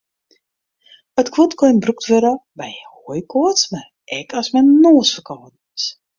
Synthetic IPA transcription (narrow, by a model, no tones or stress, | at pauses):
ətkʰʋotkɔjnbruk̚tʋøɾəbɛjhoəjkʰoətsmar | ɛkʰɔsmɛnnoəsfərkɔt̚ | s